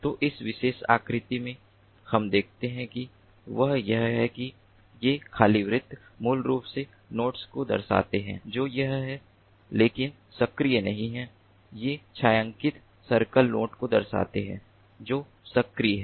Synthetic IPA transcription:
t̪oːʔɪsʋɪʃeːʃa̰ːkɾɪt̪imẽ | hɐmd̪eːk̚ʰt̪eɦɛ̃ki | ʋɐɦjɐɦɦɛki | jekʰaːliʋɾɪt̪ː | muːlɾuːpse | noːʈskod̪ɐ̰ɾsa̰ːt̪eɦɛ̰̃d͡ʒoːjɐɦɦɛ | leːkɪn | sɐkɾijənɐɦĩɦɛ̃ | jet͡ʃʰaːjə̃ŋkɪt̪ | sɐɾkəlnoːʈkod̪ɐɾsa̰ːt̪eɦɛ̰̃ː | d͡ʒoː | sɐkɾiɦɛ

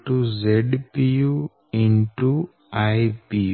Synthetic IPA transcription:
ʈuzeɖpiju | ĩnʈu | ajpi

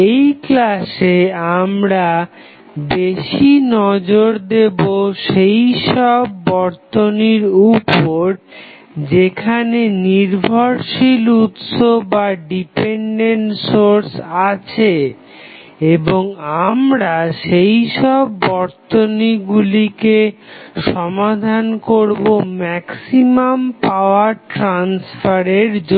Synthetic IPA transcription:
ejklaʃeamɾa | beʃinɔd͡ʑoɾd̪eboʃejʃɔbːɔɾt̪oniɾupːoɾ | d͡ʑekʰaneniɾbʱoɾʃilut̪ʃobaɖipeɳɖeɳʈsoɾsat͡ɕʰe | eboŋamɾaʃejʃɔbːɔɾt̪oniɡulikeʃɔmad̪ʱankoɾbomɛksimampaoaɾʈɾansfʰaɾeɾd͡ʑo

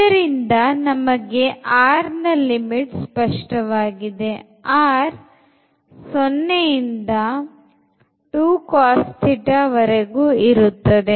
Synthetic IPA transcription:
ɐɾind̪ɐnɐmɐɡe̞ʔaːɾnɐlimiʈspɐʂʈɐʋaːɡid̪e̞ | aːɾ | sonːejind̪ɐ | ʈuːkaːst̪ʰiʈɐʋɐɾeɡuːiɾut̪ːɐd̪e

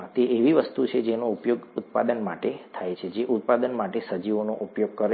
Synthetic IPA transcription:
t̪eʔeʋiʋəst̪ut͡ʃʰed͡ʒenoupjoɡut̪̚pa̰d̪ənmaʈet̪ʰajt͡ʃʰed͡ʒeʔut̪̚pad̪ənmaʈesəd͡ʒiʋonoʔupjoɡ̚kəɾ

